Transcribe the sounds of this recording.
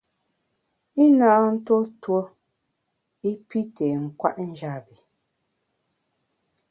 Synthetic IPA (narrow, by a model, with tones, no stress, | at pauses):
i˦na˨˦n̩˦to˦two˦ | i˦pi˦te˨ŋ̩˨kwa̰˦ʔn̩˦d͡ʒa˦˨bi˨